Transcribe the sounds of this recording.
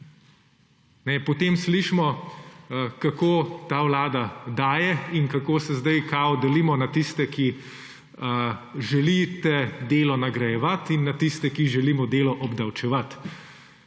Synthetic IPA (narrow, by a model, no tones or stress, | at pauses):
nɛpɔt̪eːmsliʃmɔ | kakoːt̪aːwlaːd̪ad̪aːjɛinkakoːsɛzd̪ajkaːɔd̪ɛlimɔnat̪ist̪ɛki | əʒɛlit̪ɛd̪eːlɔnaɡɾajɛʋat̪inːat̪ist̪ɛkiʒɛliːmɔd̪eːlɔʔɔbd̪ɐwt͡ʃɛʋat̪